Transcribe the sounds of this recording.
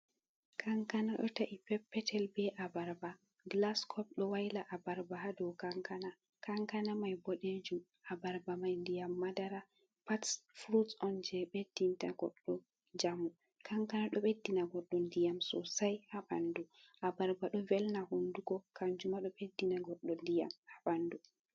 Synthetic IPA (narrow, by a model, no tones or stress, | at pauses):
kʰaŋkanaɗɔ̰taʔipɛpːɛtʰɛlbɛʔabaɾba | ɡlaskʰɔp̚ɗɔwajlaʔabaɾbaɦadɔwkaŋkana | kaŋkanamajbɔɗed͡ʒum | abaɾbamajndijamːadaɾa | patsfɾutɔnd͡ʒɛɓed̥ːinta̰ɡɔ̰ɗːɔ | d͡ʒamu | kʰaŋkanaɗɔɓedːinaɡɔɗːɔndijamsɔ̰sajhaɓanduʔabaɾbaɗɔvɛlnahunduɡɔkaɲd͡ʒumaɗɔɓedːinaɡɔɗːɔndija̰mhaɓandu